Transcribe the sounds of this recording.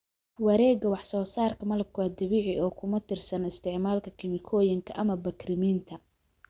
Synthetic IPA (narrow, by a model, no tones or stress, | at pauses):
wɐɾɛːɡɐwɑħsɔːsaːrkʰɐmɐlɐb̚kʰʊwaːd̪ɐβiːʕɪʔɔːkʰʊmɐt̪ʰɪrsɐnɪst̪ʰɪʕmaːlkʰɐkʰɪmɪkʰɔːjɪŋkʰɐʔɐmɐbɐkʰrɪmiːnt̪ʰɐ